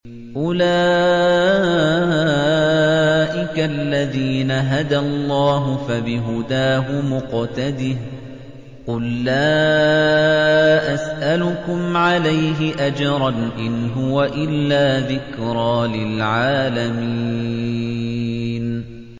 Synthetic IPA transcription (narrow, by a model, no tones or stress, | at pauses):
ʔʊlaː | ʔɪkalːaðiːnaɦad̪alˤːɑːɦʊfabɪɦʊd̪aːɦʊmʊqt̪ad̪ɪh | qʊlːaː | ʔasʔalʊkʊmʕalajɦɪʔad͡ʒɑɾˤɑnʔɪnɦʊwaʔɪlːaːðɪkɾˤɑːlɪlʕaːlamii | n